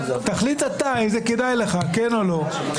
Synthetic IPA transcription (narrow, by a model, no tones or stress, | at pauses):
t̪aχlit̪at̪aizeked̪ajleχakenolo̞